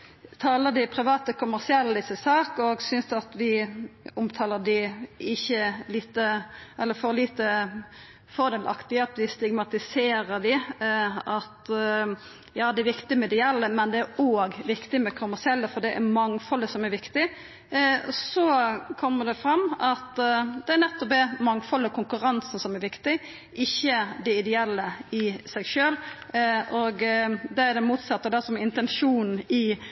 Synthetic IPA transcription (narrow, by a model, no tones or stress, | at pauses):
t̪ʰɑːləd̪ɪpʰɾɪʋɑːt̪əkʰʊmæʁsɪɛlːəd̪ɪsəsɑːkɔɡsʏnsɑt̪ʋɪʊmt̪ʰɑːləd̪ɪɪçːəliːt̪əɛlːəɾfɔɾliːt̪ə | fɔʁd̪eːlʔɑ̰kt̪ɪəɑt̪d̪ɪst̪ɪɡmɑt̪ɪseːɾəd̪ɪ | ɑt̪ | jɑːd̪ɛæɾʋɪkt̪ɪmɛd̪ɛjɛlːəmɛnd̪ɛæɾoːɡʋɪkt̪ɪmɛkʰʊmːæsɪɛlːəfɔd̪ɛʔæɾmɑŋfɔləsɔmæɾʋɪkt̪ɪ | sɔkʰɔmːəɖ̪ɛfɾɑmːɑt̪d̪ɛæɾnɛt̪ːɔpɛmɑŋfɔlːəkʰʊŋkʉɾɑnsn̩sɔmæɾʋɪkt̪ɪ | ʔɪçːəd̪ɛɪd̪ɛɛlːəɪsɛɪɡʃøːl | ɔɡd̪ɛæɾd̪ɛmuːt̪sɑt̪ːəɾd̪ɛsɔmɛɪnt̪ɛnʂuːnn̩ɪ